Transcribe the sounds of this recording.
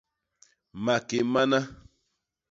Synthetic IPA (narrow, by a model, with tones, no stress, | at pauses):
ma˨ke˨ma˦na˦